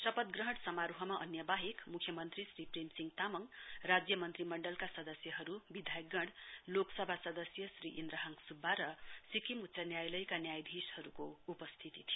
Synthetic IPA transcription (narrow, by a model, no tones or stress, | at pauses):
sʌpʌt̪̚ɡrʌɦʌɽsʌmaɾuɦʌmaʔʌ̰njʌbaɦekmukʰjʌmʌnt̪risripremsiŋt̪amʌŋrad͡zjʌmʌnt̪rimʌɳɖʌlkasʌd̪ʌsjʌɦʌɾubid̪ʱajʌk̚ɡʌɽloksʌbʱasʌd̪ʌsjʌsriʔind̪rʌɦʌŋsubʱːaɾʌsikimut̪sanjajlʌjkanjajbʱishʌɾukoupʌst̪ʰit̪it̪ʰijo